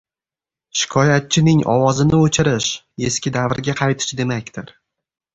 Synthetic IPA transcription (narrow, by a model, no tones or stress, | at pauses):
ʃɪ̥kʰɒjat̪̚t͡ʃʰɪnɪŋɒ̰wɒzɪnɪot͡ʃʰɪɾɪʃ | e̞skʲɪd̪avɾɡʲaqʰɑjt̪ʰɪ̥ʃd̪e̞makʲt̪ʰɪɾ